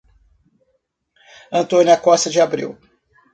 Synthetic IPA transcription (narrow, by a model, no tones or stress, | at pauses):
ɐ̃nt̪õnuɐkɔst̪ɐd͡ʒɪabɾḭw